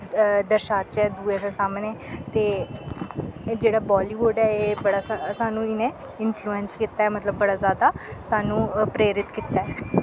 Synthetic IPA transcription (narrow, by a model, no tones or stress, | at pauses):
d̪əɾʃaːt̪t͡ʃɛːd̪uːed̪esaːmnɛːt̪eː | d͡ʒeːɽaːbaːliːʋʊɖɛːeːbəɽaːsasaːnũːɪnẽː | ɪnfʰluːɛnskit̪ːaːɛːmət̪ləbːəɽaːzjaːd̪aːsaːnũːpɾeːɾɪt̪kiːt̪aːɛː